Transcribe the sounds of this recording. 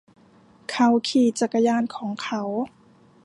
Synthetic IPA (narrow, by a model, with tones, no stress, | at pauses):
kʰa˧˥˩wkʰiː˧˩t͡ɕa˨˧˩kːa˧jaː˧˥˨nkʰɔː˩˦ŋkʰa˦˥w